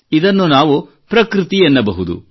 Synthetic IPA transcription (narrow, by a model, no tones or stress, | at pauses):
id̪ɐnːunaːʋu | pɾɐkɾit̪ijenːɐbɐɦud̪ṵ